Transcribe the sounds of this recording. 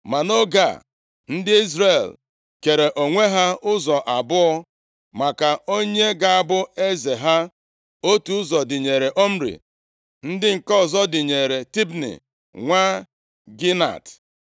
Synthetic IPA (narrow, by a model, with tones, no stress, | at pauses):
ma˨no˦ɡa̰˦˨ | n̩˦dɪ˦i˦zɾe˨l | ke˨ɾe˨ʔo˨ŋʷe˦ɦa˦ʊ˦zɔ˨ʔa˨bʊ˦ɔ˦ | ma˨ka˨o˦ɲe˦ɡa˨a˨bʊ˦e˦ze˨ɦa˦ | o˦tu˨ʊ˦zɔ˨dɪ˨ɲe˨ɾe˨ʔo˦m̩˦ɾḭ˨ | n̩˦dɪ˦ŋ̩˨kɔ˦˨zɔ˦dɪ˨ɲe˨ɾe˨ti˦bnḭ˨ | ŋʷa˦ | ɡi˦na̰˨t